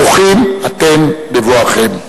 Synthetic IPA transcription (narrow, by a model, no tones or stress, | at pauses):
oχimat̪embevoaχem